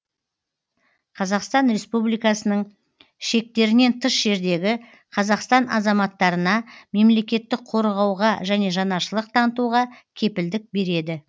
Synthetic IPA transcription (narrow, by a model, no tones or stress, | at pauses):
qʰɑzɑqst̪ɑnɾe̞spublijkɑsənəɴ | ʃe̞k̚t̪e̞ɾɪne̞nt̪ʰəʃʒ̥e̞ɾd̪e̞ɡʲɪ | qʰɑzɑqst̪ɑnɑ̰zɑmɑt̪ːɑɾənɑme̞mle̞kʲe̞t̪ːɪk̚qʰo̞ɾʁɑwʁɑʒæne̞ʒɑnɑʃəlˠəq̚t̪ʰɑnət̪uʁɑkʲʰe̞pɪld̪ɪk̚be̞ɾe̞d̪ɪ